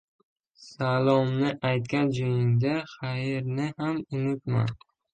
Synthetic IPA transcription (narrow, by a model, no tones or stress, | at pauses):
salˠɒmnɪʔajt̪̚kʲand͡ʒojɪŋd̪aχajɾnɪhamʊnɪt̪ma̰n